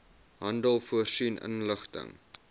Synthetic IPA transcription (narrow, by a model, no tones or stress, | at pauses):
ɦɐndəlˠfuərsinʔə̰nləχtə̰ŋ